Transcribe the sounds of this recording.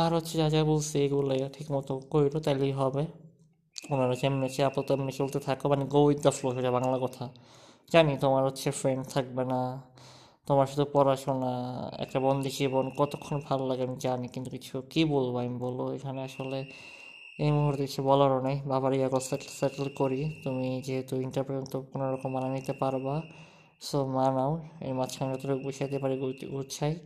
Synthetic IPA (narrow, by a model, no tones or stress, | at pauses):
aɾot̪ːʃʰed͡ʑad͡ʑabolsʰieɡuleʈʰikmɔt̪okojɾot̪alijɦɔbe | onaɾot͡ɕʰemːet͡ɕʰeapot̪emːet͡ʃult̪et̪ʰakobaniɡojd̪ːafloʃoabaŋlakɔt̪ʰa | d͡ʑanit̪omaɾɦotːɕʰefɾeɳɖt̪ʰak̚bena | t̪omaɾʃud̪ʰʱupɔɾaʃonaɛ̰k̚ʈabɔnd̪ʱid͡ʑibonkɔt̪okʰːonbʱalolaɡemid͡ʑanikint̪ukit͡ɕʰukibolbajmboloekʰaneaʃole | ejmuɦuɾt̪ekit͡ɕʰubɔlaɾonajbabaɾiaɡoseʈlseʈelkoɾit̪umid͡ʑeɦet̪uiɳʈaɾpɾet̪okonoɾɔkomːananit̪epaɾba | somanaowḛɾmad̪ʃʰankɔt̪oɾuk̚biʃat̪epaɾiɡɡuʃʰaj